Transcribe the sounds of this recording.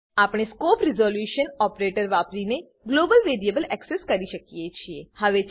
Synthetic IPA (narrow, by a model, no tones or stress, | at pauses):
apɽ̃eskopɾizoljuʃənɔpɾeʈəɾʋapɾine | ɡlobəlʋeɾiebəlɛkseskəɾiʃəkijet͡ʃʰiehəʋe